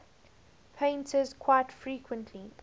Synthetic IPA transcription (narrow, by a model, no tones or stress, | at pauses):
pʰẽɪ̃ntʰəzkʰw̥aɪtfɹiːkʰwə̃ntʰli